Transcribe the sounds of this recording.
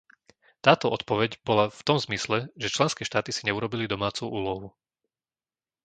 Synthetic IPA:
t̪aːt̪ɔɔt̪pɔʋɛɟbɔlaft̪ɔmzmislɛʒɛt͡ʃlɛnskɛːʃt̪aːt̪isiɲɛuɾɔbilid̪ɔmaːt͡suʔuːlɔɦu

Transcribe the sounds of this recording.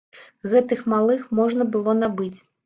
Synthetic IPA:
ɣɛt̪ɨxmalˠɨxmɔʐnɐbɨlˠɔnabɨt͡sʲ

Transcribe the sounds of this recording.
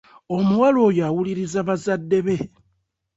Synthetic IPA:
o̞muwalo̞ːjawuliɾizaβazadːe̞βe̞

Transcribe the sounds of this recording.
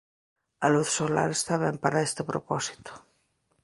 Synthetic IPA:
aluθsola̰ɾest̪aβɛmpaɾaest̪epɾopɔsi̥t̪o̥

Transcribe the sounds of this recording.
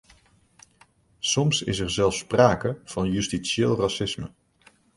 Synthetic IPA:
sɔmsɪ̰s̬ɛrzɛlˠfspraːkəv̥ɑnjystiseːlˠrasɪsmə̰

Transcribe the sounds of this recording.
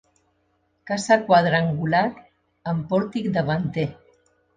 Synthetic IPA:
kasakwað̞ɾaŋɡulak | əmpɔɾt̪ikd̪əβant̪e

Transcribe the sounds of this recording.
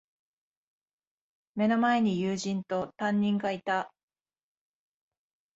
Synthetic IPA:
me̞no̞mae̞ɲ̟ijɯːʑĩnt̪o̞t̪ãɲ̟ːĩŋɡait̪a

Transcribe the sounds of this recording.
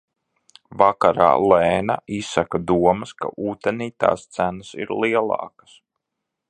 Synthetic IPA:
vakaɾa̰ːlˠɛːna̰ʔisːakad̪uɔmɐska̰ʔuːt̪eniːt̪a̰ːst̪sænasḭɾlˠiɛlˠɑ̰ːkḁs

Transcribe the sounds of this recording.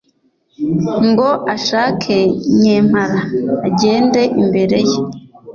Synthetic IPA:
ŋɡo̞ʔaʃaːkʰeɲeːm̥haɾaːɟe̞ːnde̞ʔimbe̞ɾe̞je

